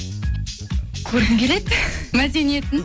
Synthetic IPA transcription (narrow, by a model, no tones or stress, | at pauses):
kʲʰɵɾɡɪmkʲʰe̞le̞d̪mæd̪e̞nije̞t̪ɪn